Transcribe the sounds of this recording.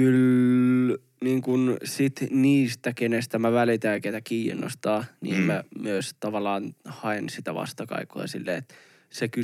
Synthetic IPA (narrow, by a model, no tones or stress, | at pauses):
yl | niːŋkunsit̪niːst̪ækenest̪æmæʋælit̪æˑkeit̪ækiːnːo̰st̪ɑːnḭːmmæmyøst̪ɑʋɑlːˑɑːnhɑensit̪æʋɑ̰st̪ɑkɑ̰ikːoɑ̰sḭlːḛːet̪ | seky